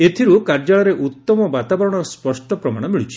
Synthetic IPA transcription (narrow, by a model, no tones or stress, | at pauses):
et̪ʰiɾukaɾd͡ʒaɭɔɾeʔut̪ːɔmɔbat̪abɔɾɔɽ̃ɔɾɔspɔsʈɔpɾɔma̰ɽ̃ɔmiɭut͡ʃʰi̥